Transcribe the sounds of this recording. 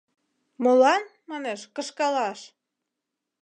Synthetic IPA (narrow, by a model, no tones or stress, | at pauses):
molɑnmɑneʃkəʃkɑlɑʃ